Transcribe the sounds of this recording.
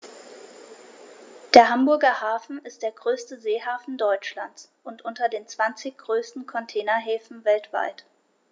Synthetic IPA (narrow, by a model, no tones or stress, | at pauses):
d̥eːɐɦambʊɐɡɐhaːfn̩ɪstd̥eːɐɡʁøːstəzeːhaːfn̩dɔʏt͡ʃlant͡sʔʊntʔʊntɐdeːnt͡sv̥ant͡sɪçɡ̥ʁøːstn̩kʰɔntʰɛːnɐɦɛːfn̩vɛltv̥a̰ɪt